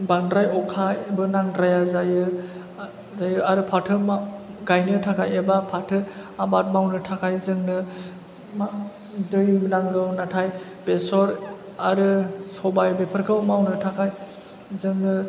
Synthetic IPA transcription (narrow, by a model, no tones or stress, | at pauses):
baŋdɾajɔkʰajbɯnaŋdɾajazajɯ | zajɯaɾɯpʰatʰɯmaɡajnɯtʰakʰajebapʰatʰɯabat̚mawnɯtʰakʰajzɯŋnɯ | ma | dɯjmlaŋɡɯwnatʰaj | b̥esɔɾ | aɾɯsɔbajbepʰɯɾkʰɯwmawnɯtʰakʰaj | zɯŋnɯ